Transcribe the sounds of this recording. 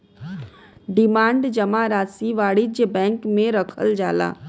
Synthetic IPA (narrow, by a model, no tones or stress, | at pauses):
ɖɪmãːɳɖd͡ʒɐmaɾaːsiʋaːɽid͡ʒjəbɛ̃ːŋkmẽɾɐkʰə̰ld͡ʒaːla̰ː